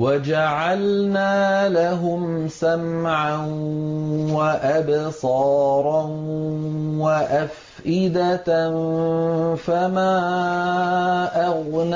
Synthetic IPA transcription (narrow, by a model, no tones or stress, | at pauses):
wad͡ʒaʕalnaːlaɦʊm | samʕan | waʔabsˤɑːɾˤɑ | waʔaf | ʔɪd̪an | famaː | ʔaɣn